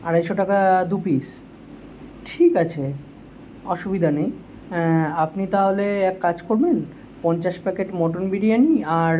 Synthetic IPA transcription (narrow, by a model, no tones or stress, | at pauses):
aɽajʃoʈakad̪upis | ʈʰikat͡ɕʰe | ɔʃubid̪ʱanej | apnit̪aɦoleɛkːad͡ʑkoɾben | pɔnt͡ɕaʃpɛkeʈmɔʈonbiɽijaniaɾ